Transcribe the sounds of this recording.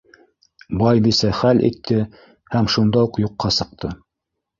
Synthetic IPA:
bɑjbisæχælʔḭt̪ʰːɘ | hæmʃund̪ɑuqjuqːɑsɤ̆q̚t̪ʰɤ

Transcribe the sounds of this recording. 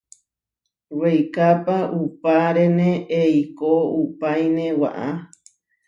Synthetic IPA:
wejkapaʔupaɾenẽʔeikoupajnẽwa̰ʔa

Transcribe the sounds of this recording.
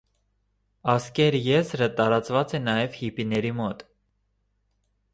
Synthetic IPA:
ɑskɛɾjɛzɾət̪ɑɾɑt͡svɑt͡sɛnɑjɛvhipinɛɾimɔt̪

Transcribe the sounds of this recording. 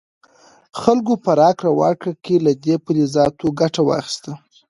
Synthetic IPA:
xalɡopəɾɑkɾawɑ̰kakelad̪epəlezɑt̪oɡaʈawɑ̰xi̥st̪a

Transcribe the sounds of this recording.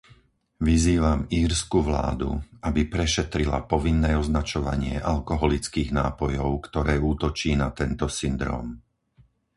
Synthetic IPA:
ʋiziːʋamiːɾskuʋla̰ːd̪ṵabipɾɛʃɛt̪ɾila̰pɔʋinːɛːɔznat͡ʃɔʋaɲɪɛʔalkɔɦɔlit͡skiːɣnaːpɔjɔʊkt̪ɔɾɛːuːt̪ɔt͡ʃiːnat̪ɛnt̪ɔsind̪ɾɔ̰ːm

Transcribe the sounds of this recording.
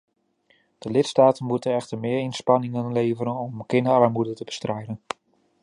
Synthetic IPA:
d̥əlɪtstaːtənmutənɛχtəɹmɪːɹɪnspɑnɪŋənlejvəɾənɔmkɪndəɹɑɹmudətəbə̥strɛjdən

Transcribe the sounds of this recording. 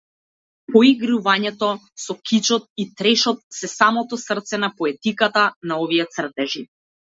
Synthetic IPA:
pɔiɡɾuvaɲɛt̪ɔ | sɔkit͡ʃɔt̪̚it̪ɾɛʃɔt̪̚sɛsamɔt̪ɔsərt̪sɛnapɔɛt̪ikat̪anaɔvijɛt̪sr̩t̪ɛʒi

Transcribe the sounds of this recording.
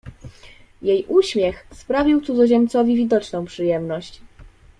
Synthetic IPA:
jejʔuɕmʲjɛxspɾavʲiwt̪sud̪zɔʑɛmt̪sɔvʲivʲid̪ɔt͡ʂnɔ̃w̃pʂɘjɛmnɔɕt͡ɕ

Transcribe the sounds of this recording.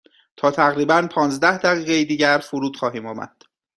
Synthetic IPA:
t̪ʰɒːt̪ʰæɣɾiːbænpʰɒːnzd̪æhd̪æɣiːɣejiːd̪iːɟæɾfuɾuːd̪̥xɒːɦiːmɒːmæ̰d̪̥

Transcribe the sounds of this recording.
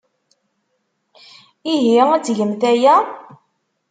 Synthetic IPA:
iɦiæt͡sːʝəmθæjæ

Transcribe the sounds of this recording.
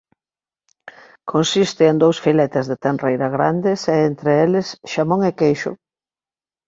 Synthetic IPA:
kʰonsist̪ɪːnd̪owsfilɛt̪ɪzðet̪enrejɾaɣɾa̰nd̪ɪsɛent̪ɾeelɪsʃamoŋekejʃʊ̰

